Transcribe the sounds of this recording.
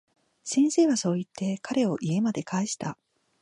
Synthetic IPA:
sẽ̞ɰ̃se̞ːβaso̞ːit̪ʰːe̞kʰaɾe̞o̞ʔie̞mad̪e̞kaeɕi̥t̪a

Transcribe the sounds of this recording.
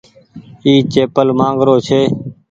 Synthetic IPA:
iːt͡ʃeːpəlmãːŋɡɾoːt͡ʃʰeː

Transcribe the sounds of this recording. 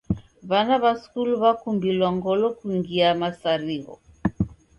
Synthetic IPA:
βanaβaskulβakumbilwaŋɡɔlɔkuiŋɡiamasaɾiɣɔ̰

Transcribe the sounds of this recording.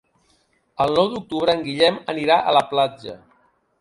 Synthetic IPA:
əlˠnɔwd̪uk̚t̪uβ̞ɾəːŋɡiʎɛməniɾaʔələplad͡ʒə̰

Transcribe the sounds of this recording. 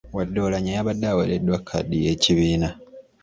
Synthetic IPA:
wadːo̞ːlaɲajaβadːaweledwakʰːa̰dijeciβiːna

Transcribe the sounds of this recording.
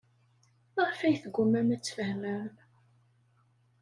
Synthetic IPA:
əʁfæjθɡʷːʊmːæmæt͡sːfəhmæɾ

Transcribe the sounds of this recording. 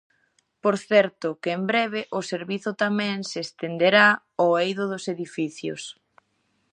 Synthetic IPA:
poɾθɛɾt̪ʊkɪːmbɾɛβɪʔʊseɾβiθʊt̪amɛ̃ŋsest̪end̪eɾa | oejðʊðʊseðifiθjʊ̰s

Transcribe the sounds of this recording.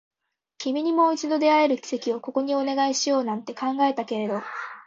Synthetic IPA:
kʲimʲiɲ̟imo̞it͡ɕid̪o̞d̪e̞ae̞ɾɯ̟kʲi̥se̞kʲio̞ko̞ko̞ɲ̟io̞ne̞ɡaiɕijo̞ːnãnt̪e̞kãŋɡae̞t̪ake̞ɾe̞d̪o̞

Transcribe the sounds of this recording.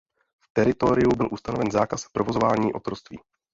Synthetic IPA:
ft̪ɛɾɪt̪o̞ɾɪjubɪlʔust̪anovɛnzaːkaspɾovozovaːɲiːʔo̞t̪ɾost̪vḭː

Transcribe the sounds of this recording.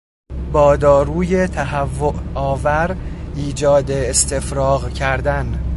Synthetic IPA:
bɒːd̪ɒːɾuːje̞t̪ʰæɦævːoʔɒːvæɾiːd͡ʒɒːd̪eːst̪e̞fɾɒːɣcʰæɾd̪æn

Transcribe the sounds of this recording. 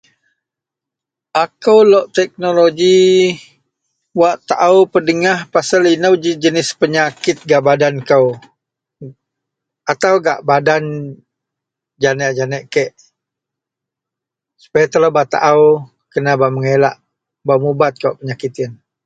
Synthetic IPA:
ʔakəwlɔʔt̪ɛk̚noloɡi | waʔt̪aʔawpədəŋahpasalinəwd͡ʒd͡ʒənɪspəɲakɪt̪̚ɡaʔbadankəw | at̪awɡa̰ʔbadan | d͡ʒanəʔd͡ʒanɛʔkɛʔ | su̥pajat̪əlabat̪a̰ʔaw | kənabaʔməŋela̰ʔ | bamubat̪̚kəwʔpəɲakit̪ɪn

